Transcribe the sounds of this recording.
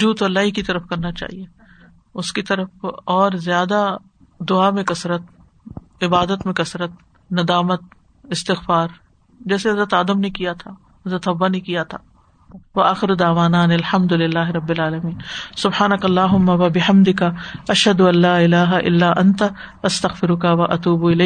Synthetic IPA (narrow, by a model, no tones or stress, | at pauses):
ʊd͡ʒuːd̪oɐlːaːɦikit̪ɐɾəfkɐɾnat͡ʃa̰ːɦie | ʊskit̪ɐɾəfɔːɾzjaːd̪a | d̪ʊamẽkɐsɾət̪̚ | ɪbaːd̪ət̪mẽkɐsɾət̪̚ | nɐd̪aːmət̪̚ | ɪst̪ɪxfaːɾ | d͡ʒɛːseɦɐzɾət̪aːd̪əmnekijat̪ʰa | ɦɐzɾət̪ɦɐbːanekijat̪ʰaː | ʋɐaːxɪɾod̪aːʋaːnaːnɐlħɐmd̪ʊlɪlːaːɦɪɾɐbːɪlaːlɐmiːnsʊbħaːnɐkɐlːaːɦʊmːaʋɐbɪhɐmd̪ɪkaɐʃɦɐd̪ʊɐ̃nlːaːɪlaːɦaʔɪ̰lːaːʔɐnt̪ | ɐst̪ɐɣfɪɾʊkaʋɐʔɐt̪uːbɪlɐːk